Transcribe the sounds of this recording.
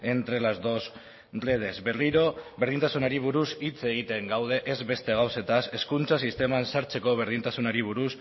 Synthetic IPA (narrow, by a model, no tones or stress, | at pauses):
e̞nt̪ɾe̞lazd̪o̞s | reð̞e̞zbe̞riɾo̞βeɾð̞int̪asunaɾiβ̞uɾusit͡se̞ɣit̪e̞ŋɡawð̞e̞ʔezβe̞st̪e̞ɣawse̞t̪ase̞skunt͡sasist̪e̞mansaɾt͡se̞ko̞β̞e̞ɾð̞int̪asunaɾiβ̞uɾus